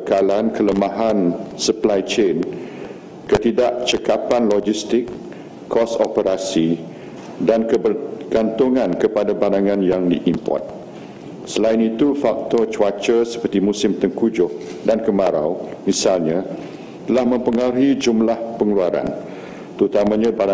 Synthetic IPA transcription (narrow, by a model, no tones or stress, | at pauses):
bəkalankʰələmãɦansəplajt͡ʃen | kət̪idaʔt͡ʃəkapanlɔd͡ʒist̪ɪkː | ɔsɔpəɾasi | dankəɡ̥ant̪uŋãnkəpadabaɾaŋãnjaŋdiʔimpɔ̰rt̪̚ | səlainit̪ufak̚t̪ɔt͡ʃuat͡ʃəsə̥pərt̪imũsɪmt̪əŋkud͡ʒʊhdankəmaɾa̰wmisalɲã | t̪əlahmə̃mpəŋaɾid͡ʒumlahpəŋluaɾa̰n | t̪əɾut̪amãɲãbaɾa